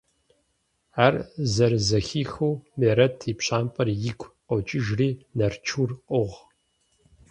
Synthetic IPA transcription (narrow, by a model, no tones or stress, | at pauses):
aːrzɐrzɐxiːxuwmeːɾɐtʰiːpɕaːmpʼɐrjɪkʷʰʼqɔt͡ʃʼɪʒriːnɐrt͡ʃʰurqʼʊʁ